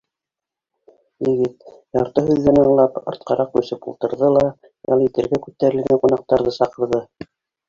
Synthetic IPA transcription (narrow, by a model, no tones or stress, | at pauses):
jɘ̆ɡɘt̪jɑɾt̪ɤɦʉðːænɤɴlˠɑpɑ̰̆ɾt̪̚qɑɾɑq̚bʉ̆sɘpṵlˠt̪ɤ̆ɾðɤlˠɑ | jɑ̰lˠjɘ̆t̪ɘ̆ɾɡækʉt̪ːæɾɘ̆lɡæŋqunɑq̚t̪ɑɾðɤsɑqɤ̆ɾðɤ